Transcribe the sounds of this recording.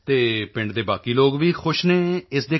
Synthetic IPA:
t̪eːpɪ̃ɳɖd̪eːbaːkiːloːɡʋiːxʰʊʃnẽːɪsd̪eː

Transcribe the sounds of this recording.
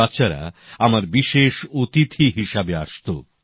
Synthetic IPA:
at̪ːɕʰaɾa̰amaɾbiʃeʃot̪it̪ʰiɦiʃabeaʃt̪o

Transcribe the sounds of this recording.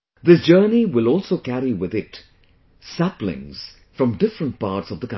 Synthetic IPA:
ðɪsd͡ʒɜːniwɪlˠɔlˠsoʊkæɾiwɪðɪt | sæplɪ̰̃ŋz̥ | fɹʌ̃mdɪfɹə̃nt̚pɑːʈsʌvðəkã

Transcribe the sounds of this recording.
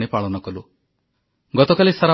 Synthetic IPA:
ɽ̃ipaɭɔnɔkɔlu | ɡɔt̪ɔkalisaɾa

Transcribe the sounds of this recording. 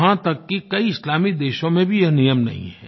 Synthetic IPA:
ɦãt̪ɐkːikɐiɪslaːmid̪eːʃõmẽbʱijɐɦnijəmnɐ̰ɦḭ̃ɦɛ̰̃ː

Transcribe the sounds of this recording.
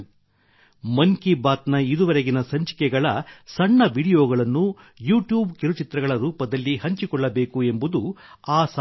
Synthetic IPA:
mɐŋkibaːt̪nɐid̪uʋɐɾeɡinɐsɐɲt͡ʃi̥kɛɡɐɭɐsɐɳːɐʋiɽijoːɡɐɭɐnːu | juːʈjuːbkiɾut͡ʃit̪ɾɐɡɐɭɐɾuːpɐd̪ɐlːihɐɲt͡ʃikɔɭːɐbe̞ːkue̞mbud̪uaːs

